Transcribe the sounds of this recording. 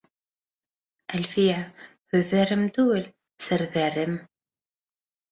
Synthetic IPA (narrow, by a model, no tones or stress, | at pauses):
ælfiʕ | θʊðərəmt̪ul | səɾðərːəm